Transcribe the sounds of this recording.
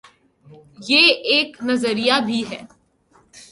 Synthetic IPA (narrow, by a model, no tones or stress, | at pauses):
jeːeːknɐzəɾijabʱiɦɛː